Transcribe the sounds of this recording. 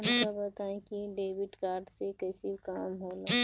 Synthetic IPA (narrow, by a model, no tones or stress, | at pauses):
ɐmkabət̪aːẽkiɖeːbiʈkaːɾɖsekɐːsikaːmɦoːla